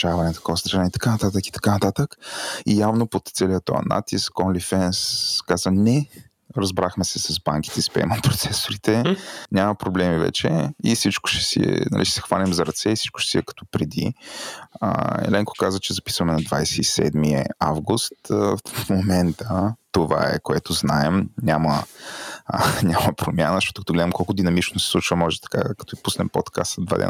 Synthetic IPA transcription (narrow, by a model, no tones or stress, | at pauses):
t͡ʃavɐnɛt̪ɐ̥kɔvəst̪ɾanɛit̪ɐ̥kanɐt̪at̪əki̥t̪ɐ̥kanɐt̪at̪əkijavnopot̪sɛlijət̪ɔ̰ɐ̰na̰t̪iskːɔnlifɛnskazənɛ | ɾɐzbɾaxmɛsɛsɐzbaŋk̟it̪ɛispɛ̰mɐpɾot̪sɛsoɾit̪ɛɲʲamɐpɾoblɛmivɛ̰t͡ʃɛifsit͡ʃkʊ̥ʃɛ̥sḭɛ̰nɐ̰liʃɛ̥sɛ̥xvalɛmzɐɾɐt̪sɛisi̥t͡ʃkʊ̥ʃɛ̥siɛkɐ̥t̪ɔpɾɛd̪ḭ | ə̰ɛ̰lɛŋko̥kazət͡ʃɛzɐpi̥svəmɛnɐd̪vajsɛisɛ̰d̪miəavɡust̪fmomɛnt̪ət̪ova̰ɛ̰koɛt̪oznaɛmɲʲamə | ɲʲamɐpɾomjanəzʃtɔt̪ʊkɐt̪oɡlɛd̪ɐmkɔlˠkʊd̪inɐmit͡ʃnʊsɛ̥sˠut͡ʃvɐmɔʒɛt̪ɐ̥ka̰kɐ̥t̪ɔipusnɛmpot̪kast̪d̪va̰d̪ɛ̰n